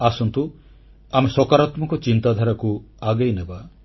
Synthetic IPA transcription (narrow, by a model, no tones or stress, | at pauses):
asɔnt̪u | amesɔkaɾat̪mɔkɔt͡ʃint̪ad̪ʱaɾakuaɡejneba